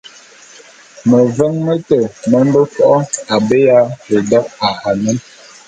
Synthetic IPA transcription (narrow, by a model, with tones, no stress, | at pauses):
mə˨və˦ŋmə˦tə˨mə˦m˦bə˦fɔ˦ʔɔ˦a˨be˦ja˦he˨dɔ˦k̚a˨ha˨nɛ˦n